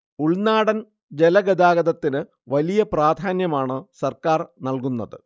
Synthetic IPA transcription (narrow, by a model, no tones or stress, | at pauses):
uɭnaːɽɐn | d͡ʑelɐɡɐd̪aːɡɐðɐt̪ːinɨ | ʋɐlijɐpraːd̪ʱaːnjɐmaːɳɨsɐrkaːrnɐlkunːɐðɨ̰